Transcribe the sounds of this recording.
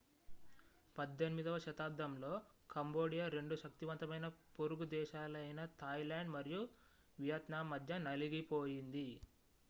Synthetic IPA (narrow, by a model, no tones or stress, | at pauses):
pɐd̪ːe̞nimid̪ɐʋɐʃɐt̪aːp̚d̪ʱɐmlo̞ːkɐmbo̞ːɽijaɾe̞ɳɖuʃɐk̚t̪iʋɐnt̪ɐmɐjnɐpoɾuɡud̪ɛːʃaːlɐjnɐt̪ʰɐːjlaːɳɖmɐɾiju | ʋijɐt̪naːmːɐd̪ʱjɐnɐliɡipo̞ːjind̪i